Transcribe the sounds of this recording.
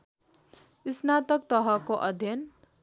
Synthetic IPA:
isnat̪ʌk̚t̪ʌɦʌkoʔʌd̪ʱjʌn

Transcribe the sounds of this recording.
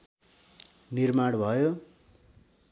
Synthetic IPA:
nirmaɽbʱʌjo

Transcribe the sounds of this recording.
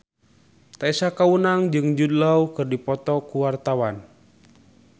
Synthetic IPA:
t̪aisakawunaŋd͡ʒɨŋd͡ʒudlawkɨrdipɔt̪ɔkuwart̪awan

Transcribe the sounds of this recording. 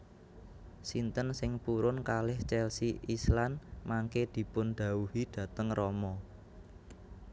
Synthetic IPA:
sint̪ənsɪŋpuɾʊnkalɪht͡ʃɛlsiʔislanmaŋked̪̥i̤pʊnɖ̪̥ä̤uhiɖ̪̥ä̤t̪əŋrɔmɔ

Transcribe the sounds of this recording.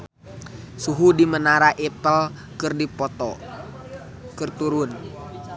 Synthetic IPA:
suɦudimənaɾaʔipəl | kɨrdipɔt̪ɔ | kɨrt̪uɾun

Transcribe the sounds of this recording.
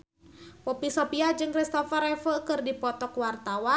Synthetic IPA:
pɔpisɔpiad͡ʒɨŋkɾist̪ɔfaɾɛfəkɨrdipɔt̪ɔkwart̪awa

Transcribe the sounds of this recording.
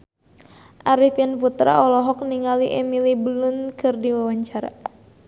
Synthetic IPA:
ʔaɾifanput̪ɾa̰ʔɔlɔɦɔk̚niŋaliʔemilibəlʊnkʰɨrdiwawaɲt͡ʃaɾa̰

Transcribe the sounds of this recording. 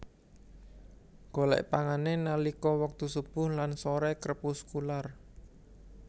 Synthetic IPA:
ɡ̥o̤lɛ̰ʔpaŋanenalikɔwək̚t̪usub̥ʊhlansoɾɛkəɾəpuskular

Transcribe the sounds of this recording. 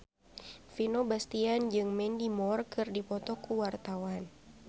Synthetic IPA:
finobast̪iand͡ʒɨŋmɛndimɔrkɨrdipɔt̪ɔkuwart̪awan

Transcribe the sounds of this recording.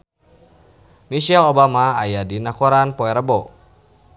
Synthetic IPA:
miʃɛlobamaːjadinakoɾanpɔɛɾəbo

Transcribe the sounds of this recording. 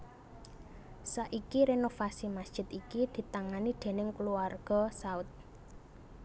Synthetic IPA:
saʔikiɾenofasimasd̥ʒ̥ɪ̤t̪ikid̪̥i̤t̪aŋanid̪̥e̤nɪŋkluarɡ̥ɔ̤saʊt̪̚

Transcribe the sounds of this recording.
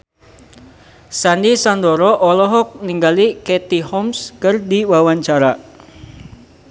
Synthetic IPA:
sandisandɔɾɔʔɔlɔɦɔk̚niŋɡaliket̪ihɔmskərdiwawaɲt͡ʃaɾa

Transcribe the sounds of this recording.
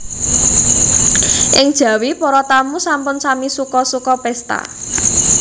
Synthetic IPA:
ʔɪŋd̥ʒ̥ä̤wipɔɾɔt̪amusampʊnsamisukɔsukɔpɛst̪a̰

